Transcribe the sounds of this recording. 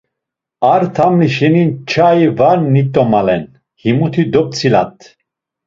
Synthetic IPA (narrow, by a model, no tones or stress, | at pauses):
aɾt̪ʰamliʃɛnint͡ʃʰaivaɾnit̪ʼɔmalɛn | himut̪ʰid̪ɔp̚t͡sʰila̰t̪ʰʼ